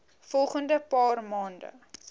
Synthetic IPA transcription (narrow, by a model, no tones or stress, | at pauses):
fɔlˠχəndəpɑːrmɑːndə̰